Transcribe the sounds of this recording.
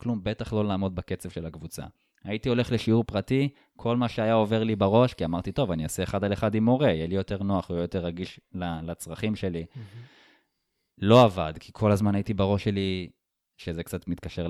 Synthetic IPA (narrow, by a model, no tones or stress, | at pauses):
klumbetaχlo̞laːmo̞d̪̚bake̞t͡sevʃe̞lakvut͡sa̰ | aitio̞le̞χle̞ʃiuʁpʁati | kʰo̞lmaʃeajao̞ve̞ʁlibaʁo̞ʃkiamaʁt̪ito̞vaniaseːχad̪aleχadimo̞ʁejɛlijo̞te̞ʁno̞aχeojoteʁːaɡiʃlalat͡sʁaχimʃe̞li | lo̞avad̪kʰikʰo̞lazmanaitibaʁo̞ʃe̞li | ʃezekt͡satmit̪̚kaʃe̞